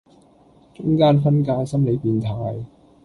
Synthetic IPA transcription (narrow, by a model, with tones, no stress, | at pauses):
t͡sʊ˥ŋkaː˥nfɐ˥nkaː˧jsɐ˥mle˨˧jpiː˨˧nt̪ʰaː˨j